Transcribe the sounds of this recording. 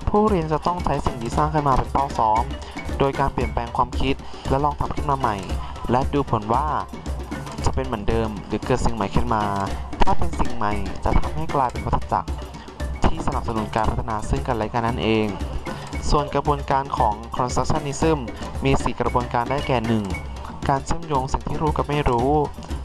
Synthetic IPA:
pʰuː˥˩ɾi˧ənt͡ɕa˨˩t̪ɔ˥˩ŋt͡ɕʰa˦˥jsi˨˩ŋt̪ʰiː˥˩saː˥˩ŋkʰɯː˥˩˨nmaː˧pe˧npaː˥˩wsɔː˦˥m | doː˧jkaː˧npli˨˩ənpɛː˧ŋkʰwaː˧mkʰi˦˥t̪̚ | lɛ˦˥lɔː˧ŋt̪ʰa˧mkʰɯː˥˩nmaː˧ma˨˩j | lɛ˦˥duː˧pʰo˩˦nwaː˥˩ | t͡ɕa˨˩pe˧nmɯ˩˦ə˦ndɤː˧mɾɯː˩˦kɤː˨˩t̪̚si˨˩ŋma˨˩˦jkʰɯ˥˩nmaː˧t̪ʰaː˥˩pe˧nsi˨˩ŋma˨˩jt͡ɕa̰˨˩t̪ʰa˧mha˥˩jklaː˧jpe˧npa˧˥t̪ʰːa˧˩t͡ɕa̰˨˩k̚ | t̪ʰiː˥˩sa˧na˨˩p̚sa˧nu˩˦nkaː˧npʰa˦˥t̪ʰa˧naː˧sɯ˥˩ŋkaː˧˩laː˨˩˦jkaː˧nːa˦˥nʔeː˧ŋ | su˨˩ənkɾa˧bu˧ənkaː˧nkʰɔː˩˦ŋkʰɾɔː˧nsa˦˥k̚t͡ɕʰa˥˩nːiː˦˥sɯ˥˩mːiː˧si˨˩kɾa˧bu˧ənkaː˧ndaː˥˩jkɛː˨˩nɯ˨˩ŋ | kaː˧nt͡ɕʰɯ˥˩ə˨mjoː˧ŋsi˨˩˦ŋt̪ʰiː˥˩ɾuː˦˥ka˨˩p̚ma˥˩jɾuː˦˥

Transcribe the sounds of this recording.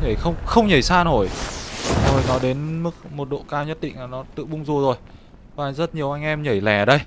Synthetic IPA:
ɲə˧˩jxə˧wŋ͡mxə˧wŋ͡mɲə˨˧˩jsaː˧no˧˩j | zo˨˩jnɔ˨˦ɗe˨˦nmɨ˦˥k̚mo˨˩t̚ɗo̰˧˨kaː˧wɲə˦˥t̚ɗḭ̈˧˨ŋ̟laː˨˩nɔ˨˦t̪ɨ̰˧˨ɓʊ˧ŋ͡mzu˨˩zo˨˩j | vaː˨˩˨jŋzə˦˥t̚ɲi˨˩əwʔa˧jŋ̟ʔɛ˧mɲə˧˩jlɛ˧˩ə˨˩ɗə˧j

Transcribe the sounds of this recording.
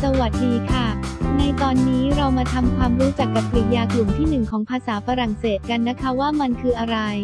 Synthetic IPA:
sa˧wa˨˩t̪̚diː˧kʰa˥˩na˧jt̪ɔː˧nːiː˦˥ɾa˧wmaː˧t̪ʰa˧mkʰwaː˧mɾuː˦˥t͡ɕa˨˩kːa˨˩p̚ʰːi˨˩t̪̚jaː˧klu˨˩mt̪ʰiː˥˩nɯ˨˩ŋkʰɔː˩˦ŋpʰaː˧saː˩˦fa˧ɾa˨˩ŋseː˨˩t̪̚ka˧nːa˦˥kʰa˦˥waː˥˩ma˧nkʰɯː˧ʔa˧ɾa˧j

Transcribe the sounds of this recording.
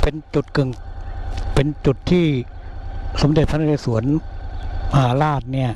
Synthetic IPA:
pe˧nt͡ɕu˨˩t̪̚kɯ˨˩ŋ | pe˧nt͡ɕu˨˩t̪ʰːiː˥˩ | so˩˦mde˨˩t̪̚sʰa˧na˧˥˩a˧˩su˩˦ən | ma˧ɦaː˨˦laː˥˩t̪̚ni˥˩ɐ

